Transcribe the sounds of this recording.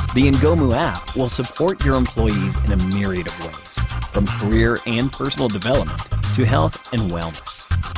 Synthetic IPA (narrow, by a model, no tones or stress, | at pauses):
ðiɨ̃nɡoʊmuæp̚wɪlˠsəpʰɔɹt͡ʃə˞ɨ̃mpʰl̥ɔɪizɨ̰̃nɨmɪɹiɨɾʌvwḛɪz̥fɹʌ̃mkʰə˞ɪɹɨ̃npʰɜ˞sn̩l̩ˠdɨvɛlˠəp̚mə̃ntʰɨɦɛlˠθɨ̃nwɛ̰lˠnəs